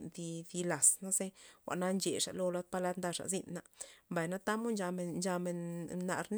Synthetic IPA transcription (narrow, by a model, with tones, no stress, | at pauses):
nd̪i˧d̪i˧la˨sna˦se˦wʷa̰˨ʔna˦nt͡ʃe˨ʂa̰˨ʔlo˧la˧˦d̪̚pa˧la˧˦t̪nd̪a˧ʂa̰˨zi˧nːa˧mba˨jna˦t̪a˦mo˦nd͡ʒa˧me˨nd͡ʒa˧me˨nːa̰˧˨ɾn